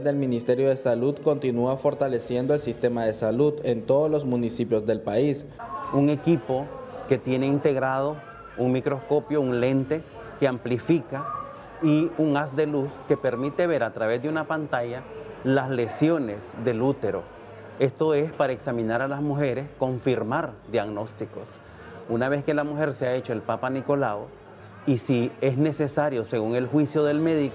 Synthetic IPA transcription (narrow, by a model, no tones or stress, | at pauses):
ðe̞lmĩnist̪e̞ɾjo̞ð̞e̞saluðko̞nt̪inuafo̞ɾt̪ale̞sje̞nd̪oe̞lsist̪e̞maðe̞saluðe̞nt̪o̞ðoslo̞zmũnisipjo̞zd̪e̞lpais | uŋe̞kipo̞ke̞t̪je̞ne̞int̪e̞ɣɾað̞o̞ | uŋmikɾo̞sko̞pjo̞uŋle̞nt̪e̞ | keamplifika | iuŋasd̪e̞luske̞pe̞ɾmit̪e̞βe̞ɾat̪ɾaβe̞zd̪eunapant̪aʝalasle̞sjo̞ne̞sd̪e̞lut̪e̞ɾo̞̰ | e̞st̪o̞e̞spaɾaeksamĩnaɾalazmuxe̞ɾe̞sko̞ɱfiɾmaɾd̪jaɣno̞st̪iko̞s | unaβe̞ske̞lamuxe̞ɾseae̞t͡ʃo̞e̞lpapaniko̞lao | isiesne̞se̞saɾjo̞se̞ɣuŋe̞lxwisjo̞ðe̞lme̞ðiko